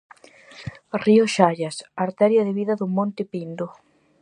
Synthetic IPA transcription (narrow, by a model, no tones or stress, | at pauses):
rioʃaʎɐsaɾt̪ɛɾjɐðɪβiðɐðʊmõnt̪ɪpind̪ʊ